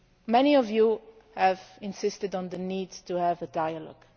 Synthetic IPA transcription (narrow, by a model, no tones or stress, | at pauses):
mɛniɔvju | həvɪ̃nsɪstɨdn̩ðəniːdtʰuhəvədaɪəlɔ̰ɡ̥